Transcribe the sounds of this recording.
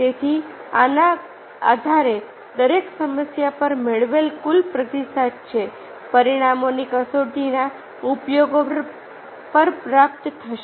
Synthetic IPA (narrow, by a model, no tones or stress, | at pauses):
t̪et̪ʰiana | a̰d̪ʱaɾe | d̪əɾeksəməsjapəɾmeɭʋelkʊlpɾət̪isad̪t͡ʃʰe | pəɾiɽ̃amonikəsoʈina | upjoɡo | pəɾpɾap̚t̪t̪ʰəʃe